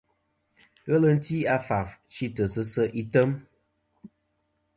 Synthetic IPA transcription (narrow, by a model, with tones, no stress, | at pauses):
ɣə˦lə˨n̩˦ti˦a˦fa˨ft͡ʃi˦tə˨sə˦sə˦ʔi˦tə˦m